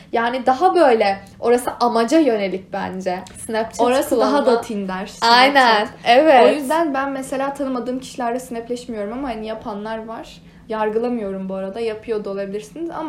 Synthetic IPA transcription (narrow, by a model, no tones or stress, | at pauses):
jaːnid̪aɦabø̞jlʲɛ | o̞ɾasɯʔamad͡ʒajø̞ne̞lʲic̚bænd͡ʒɛsnɛpt͡ʃʰoɾasɯd̪aɦad̪at̪ʰind̪æɾ̥sanjnænevɛotjyzd̪ænbænmese̞lʲaːt̪ʰanɯmad̪ɯːmcʰi̥ʃilʲæɾd̪ɛsinɛplʲɛʃmijo̞ɾumamahanijapʰanlˠaɾvaɾ̥ | jaɾɡɯlˠamɯjo̞ɾumbuaɾad̪ajapʰɯjo̞d̪uo̞lˠabilʲiɾsiniza̰ma